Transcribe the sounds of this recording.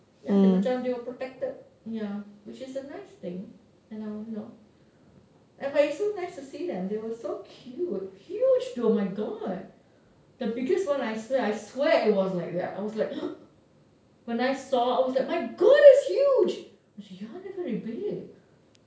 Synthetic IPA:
jãət͡ʃãmdewəpɹɔtɛk̚təd̚ | jawɪt͡ʃɪsənaɪst̪ɪ̃ŋ | ɛ̃naɪwɔ̃no | ʔɛ̃nbatɪsonaɪstusidɛ̃md̪ewɔssokʰjut̚hjud͡ʒduəmaɪɡɔd̚ | d̪̥əbɪɡəstwãnaɪswɛaɪswɛʔɪt̚wɔslaɪk̚d̪ɛ̰ta̰ɪwɔslaɪk | wɛ̃naɪsɔaɪwɔslaɪk̚maɪɡɔɾɪshjud͡ʒ | sɛjuanɛvəɹibɪɡ

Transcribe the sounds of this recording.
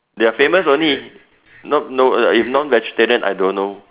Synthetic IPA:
deafẽməsõnli | nɔt̚noifnɔ̃nvɛd͡ʒəteɾə̃na̰jdõnːo

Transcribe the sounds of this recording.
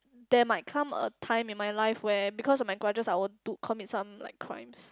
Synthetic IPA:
d̥ɛmaɪt̚kʰãmə̰tʰãɪ̃mĩnmajlaɪfwɛbikʰɔsɔfmajɡɹad͡ʒəsajwudukʰɔmit̚sãmla̰ɪkʰːɹã̰ɪ̃ms

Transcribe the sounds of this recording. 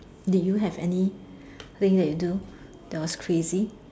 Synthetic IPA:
dujuɦɛvɛ̰ni | ɹɪ̃ŋdɛt̚judu | dɛtwɔskʰɹezi

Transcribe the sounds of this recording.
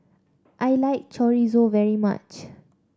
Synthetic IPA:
ʔajlaɪk̚t͡ʃɔɹizovɛɹima̰t͡ʃ

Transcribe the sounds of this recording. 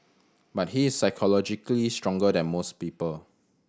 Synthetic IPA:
bat̚hiɪsːaɪkʰɔlɔd͡ʒiklistɹɔ̃ŋɡədɛ̃nmospiːpəl

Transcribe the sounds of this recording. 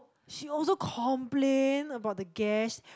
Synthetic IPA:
ʃiɔlsokʰɔ̃mplẽnəbaʊt̚dəɡɛs

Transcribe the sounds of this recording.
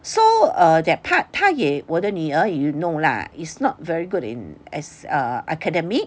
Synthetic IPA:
soadɛt̚pʰat̚pʰajewɔdəniəjunola̰isnɔt̚vɛɹiɡudḭ̃nɛ̰saʔakʰədɛmik̚

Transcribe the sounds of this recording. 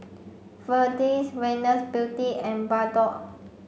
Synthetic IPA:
fədiswɛnəsbilt̪iɛ̃nbadɔʔ

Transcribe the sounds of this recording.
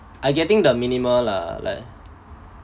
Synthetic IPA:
ʔajɡɛtɪ̃ŋdəminiməmla̰la̰ɪk̚

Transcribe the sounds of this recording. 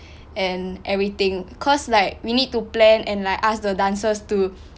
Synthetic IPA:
ɛ̃nʔɛvɹit̪ĩŋkʰɔslaɪk̚winid̚tːuplɛ̃nɛ̃nlaɪkasdədãnsəstu

